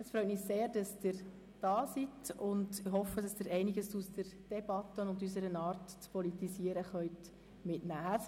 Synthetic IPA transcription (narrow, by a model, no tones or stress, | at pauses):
əsfɾœʏt̚miːseːɾd̥ɑsd̥ɪɾ | d̥ɑːsitʊndɪɦɔfəd̥ɑsdɪːɾɛɪnɪɡəsusdəɾd̥ɛb̥ɑt̪ːənʊndys̬əɾənɑːrtt͡spɔlitisiəɾəχœʏt | mɪtnæː